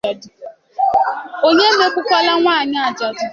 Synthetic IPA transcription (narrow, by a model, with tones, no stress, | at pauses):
a˨dʊ˨ | o˦ɲe˦n̩˦de˦kʷʊ˦kʷa˦la˦ŋʷaː˦˨ɲa˦a˨d͡ʒa˨dʊ˨